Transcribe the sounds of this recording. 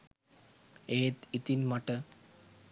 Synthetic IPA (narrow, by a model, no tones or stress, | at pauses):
eːt̪it̪inmɐʈːɨ